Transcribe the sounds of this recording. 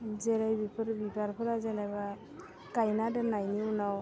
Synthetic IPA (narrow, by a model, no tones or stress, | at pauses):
zeɾajbipʰɯɾbiɡaɾpʰɯɾazanajba | kajnadanajniunaw